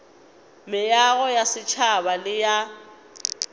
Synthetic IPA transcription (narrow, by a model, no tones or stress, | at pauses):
mɪjaɣɔjasɪt͡ʃʰabalɪja